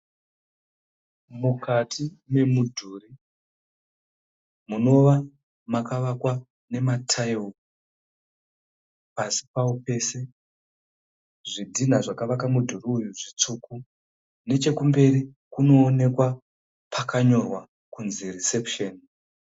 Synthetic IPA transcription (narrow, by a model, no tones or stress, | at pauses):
mukʰatʰime̞mudʱuɾi | muno̞ʋa | makaʋakwa | ne̞matʰaiwu | pasi̥paope̞se̞ | ʐidʱin̤aʐakaʋakamudʱuɾiujuʐit͡suku | ne̞t͡ʃe̞kumbe̞ɾi | kuno̞ːne̞kwa | pʰakaɲo̞rwa | kunzirisepʃeːn